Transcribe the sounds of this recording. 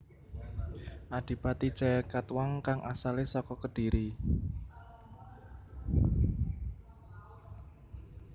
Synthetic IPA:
ʔaɖ̥i̤pat̪i̥t͡ʃɛkat̪waŋkaŋʔa̰salesɔkɔkəɖ̥i̤ɾi

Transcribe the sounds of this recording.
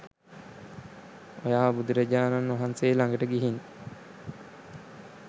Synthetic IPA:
ojaːbud̪uɾəɟaːnanʋaɦanseːlaŋɡəʈəɡiɦin

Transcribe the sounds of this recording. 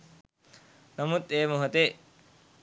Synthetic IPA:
nɐmut̪eːmuɦɐt̪eː

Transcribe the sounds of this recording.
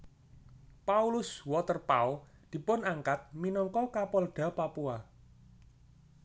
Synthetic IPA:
paulʊswɔt̪ərpaɔ | d̪̥i̤pʊnaŋkat̪̚minɔŋkɔkapɔlɖ̥ä̤papua

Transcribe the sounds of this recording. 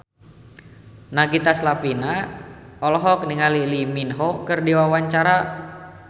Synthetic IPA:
naɡit̪aslapina | ɔlɔɦɔk̚niŋaliliminɦɔkɨrdiwawaɲt͡ʃaɾa

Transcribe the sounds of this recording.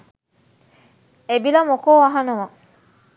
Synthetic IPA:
ebilɐmokoːɐɦɐnɐʋɐ

